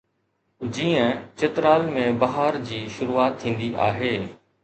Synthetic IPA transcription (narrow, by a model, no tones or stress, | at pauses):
d͡ʑiːə̃t͡ɕɪt̪ɾaːlmẽbɐɦaːɾd͡ʑiːʃʊɾuːaːt̪ʰːĩːn̆d̪iʔa̰ːɦeː